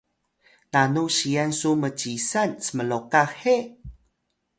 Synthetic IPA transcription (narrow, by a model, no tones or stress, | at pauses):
nanuɕiansumət͡ɕisansəməlokaxe